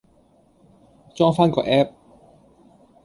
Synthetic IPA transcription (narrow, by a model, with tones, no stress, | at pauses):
t͡ʃɔː˥ŋfaː˥nkɔː˧ʔɛː˥p̚